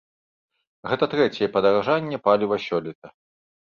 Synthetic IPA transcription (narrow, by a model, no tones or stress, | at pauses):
ɣɛt̪ɐt̪ɾɛt͡sʲɛjɛpɐd̪ɐɾaʐanʲːɛpalʲivɐsʲɔlʲit̪ɐ